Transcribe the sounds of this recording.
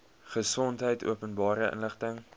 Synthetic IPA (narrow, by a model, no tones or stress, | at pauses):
χəsɔntɦəjtṵəpənbɑːɾəʔə̰nləχtəŋ